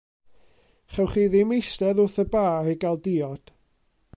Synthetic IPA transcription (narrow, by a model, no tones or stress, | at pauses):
χɛwχiːðɪmejstɛðʊθəbaːiɡalˠdɪːɔd̥